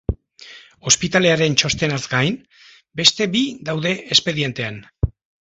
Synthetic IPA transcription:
o̞spit̪ale̞aɾe̞nt͡ʃo̞st̪e̞nazɡajn | be̞st̪e̞bid̪awðe̞ʔespe̞ðie̞nt̪e̞an

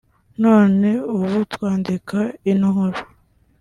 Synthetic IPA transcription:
no̞ːne̞uβutwaːndikʰainɦoɾo

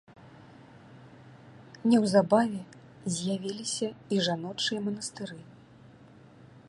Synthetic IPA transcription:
nʲɛwzabavʲɛ | zʲjavʲilʲisʲɐiʐanɔt͡ʂɨjɐmɐnɐst̪ɨɾɨ

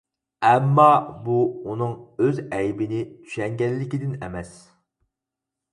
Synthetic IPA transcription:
ɛmːɑbuunɨŋøzɛjbɪnɪt̪ʰy̥ʃɛŋɡʲɛllːɪkʲid̪ɪnɛmɛs

